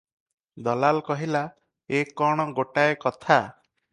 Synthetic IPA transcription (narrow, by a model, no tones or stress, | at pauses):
d̪ɔlalkɔɦila | ekɔɽ̃ɔɡoʈaekɔt̪ʰa